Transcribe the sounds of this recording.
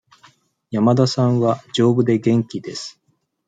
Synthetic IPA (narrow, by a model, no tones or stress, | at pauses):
jamad̪asãɰ̃βad͡ʑo̞ːbɯ̟d̪e̞ɡẽ̞ŋkʲid̪e̞sɨ̥